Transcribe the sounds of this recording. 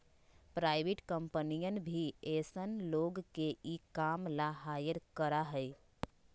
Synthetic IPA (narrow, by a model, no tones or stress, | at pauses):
pɾaːɪʋɪʈkə̃mpənijənbʱieːsənloːɡkeʔikaːmlaɦaːjəɾkəɾaɦəi